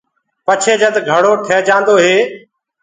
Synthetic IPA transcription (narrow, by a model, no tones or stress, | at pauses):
pət͡ʃʰeːd͡ʒəd̪ɡʱəɽoːʈʰeːd͡ʒãːnd̪oːɦeː